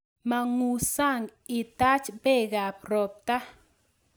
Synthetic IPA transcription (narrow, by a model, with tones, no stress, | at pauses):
ma˧ŋu˧sa˦˨ŋi˧t̪a˦t͡ʃbe˦ɡa˨p̚ɾo˨p̚t̪a˦